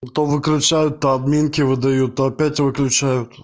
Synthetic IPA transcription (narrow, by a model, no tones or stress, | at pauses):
t̪oʋɨklʲʊt͡ʃajʊt̪ːɐɐd̪mʲinkʲɪʋɨd̪ɐjut̪ːoɐpʲætʲʋɨklʲʊt͡ʃæjʊt̪